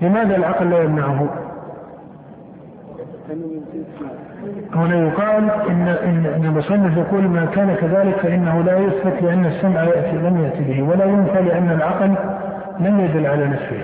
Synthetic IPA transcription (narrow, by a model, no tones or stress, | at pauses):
lɪmaːðalʕɑqlːaːjamnaʕʊɦʊ | hʊnajʊqɑːlʔɪnːaʔɪnːʔɪnːalmʊsˤɑnːɪfjɑquːlmakaːnakaðaːlɪkfaʔɪnːahʊlaːjʊθbɪt̪lɪʔanːasːamʕjaʔt̪ilamjaʔt̪ibɪhwalajʊmθalɪʔanːalʕɑql | lamjad̪ʊlːʕalanafsɪ̰h